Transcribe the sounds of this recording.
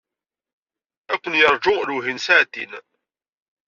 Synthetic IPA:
ækʷːənjəɾˤd͡ʒʊluɦinsaʕt̪ːḭn

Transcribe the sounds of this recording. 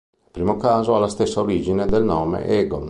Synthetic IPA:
ipɾiːmokaːzoalːast̪esːaoɾiːd͡ʒined̪elnɔːmḛʔɛːɡo̰

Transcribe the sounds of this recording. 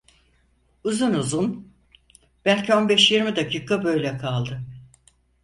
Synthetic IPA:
uzunuzun | b̥ælʲcʰio̞nbɛʃjiɾmid̪acʰiːkʰabø̞jlʲɛkʰalˠd̪ɯ

